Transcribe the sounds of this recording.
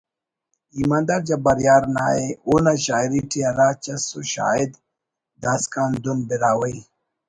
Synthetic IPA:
imand̪aɾd͡ʒabaɾjaːɾna̰ːeunaʃaːiɾiʈiaɾaːt͡ʃasuʃa̰ːid̪ | d̪askaːnd̪unbiɾaːwəj

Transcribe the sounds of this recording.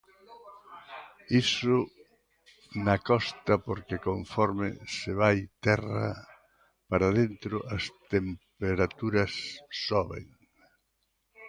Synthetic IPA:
isʊ | nɐkɔst̪ɐpoɾkekoɱfɔɾmɪ̰sɪβajt̪ɛrɐ̰ | paɾaðent̪ɾʊʔɐst̪empeɾat̪uɾɐsːɔβḛŋ

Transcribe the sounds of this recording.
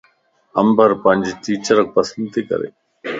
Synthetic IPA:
əmbʱəɾpəɲʲd͡ʒʈiːt͡ʃəɾək̚pəsənd̪̚t̪ʰiːkə̰ɾḛː

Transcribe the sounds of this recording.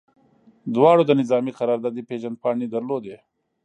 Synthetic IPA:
d̪wɑːɽod̪ənɪzɑːmiqaɾɑɾd̪ɑːd̪ipeʒand̪̚pɑːɳid̪əɾlod̪e

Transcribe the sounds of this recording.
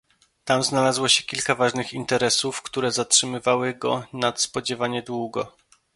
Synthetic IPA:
t̪amznalazwɔɕɛkʲilkavaʐnɘxint̪ɛɾɛsufkt̪uɾɛzatʂɘmɘvawɘɡɔ̰nat̪spɔd͡ʑɛvaɲɛd̪wuɡɔ̰

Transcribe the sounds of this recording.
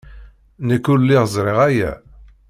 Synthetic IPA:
nəkːulːiʁzˤɾˤeʁæjæ̰

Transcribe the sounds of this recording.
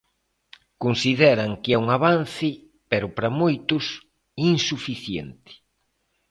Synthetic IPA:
konsiðɛɾɐŋkɪɛuŋaβanθɪ | peɾʊpɾɐmojt̪ʊs | insufiθjɛ̰nt̪ɪ̥

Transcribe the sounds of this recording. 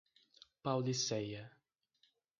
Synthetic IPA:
pawlisɛjɐ

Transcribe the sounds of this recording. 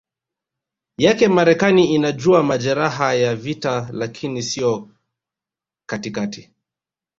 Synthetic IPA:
jakɛmaɾɛkaniinaʄuamaʄɛɾaɦajavitalakʰinisijɔ | katikati

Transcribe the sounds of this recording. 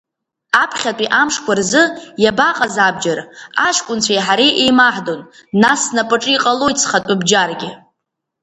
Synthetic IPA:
apʰχʲatʷʼiʔamʂkʷʰarzɨjabaqʼazab̚d͡ʒaɾaʃkʷʼʊnt͡ɕʷʰajħaɾiʔejmaħdonːasnapʼɨʈ͡ʂʼɨiqʼalo̞jt͡sʰʼχatʷʼʊbd͡ʒarɡʲɪ

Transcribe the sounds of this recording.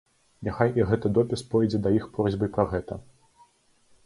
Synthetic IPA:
nʲaxajʔiɣɛt̪ɨd̪ɔpʲispɔjd͡zʲɛd̪ɐjixpɾɔzʲbɨpɾɐɣɛt̪ɐ

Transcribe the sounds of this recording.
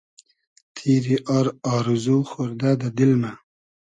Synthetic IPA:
t̪ʰiɾiʔɑɾɑːɾuzuxoɾd̪ad̪ad̪ilma

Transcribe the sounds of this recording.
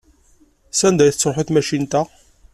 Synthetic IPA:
sænd̪æjθə̥t͡sːʊħiθmæʃint̪æ

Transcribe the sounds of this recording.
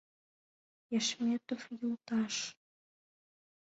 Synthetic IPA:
jæʃmʲet̪ofjult̪ɑʃ

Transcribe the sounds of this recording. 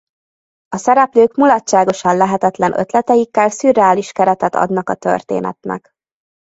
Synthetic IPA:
ɒsɛɾɛpløːkmulɒtt͡ʃːʃːaːɡo̞ʃɒnlɛɦɛt̪ɛt̪lɛnʔø̰t̪lɛt̪ɛjikːɛlsyrːɛaːliʃkɛɾɛt̪ɛt̪ɒ̰d̪nɒkɒt̪ø̰rt̪ḛːnɛ̰t̪nɛ̰k

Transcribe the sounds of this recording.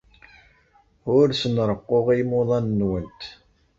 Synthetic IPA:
ʊɾsənɾˤəqːoʁimoðˤɑnːwənt̪

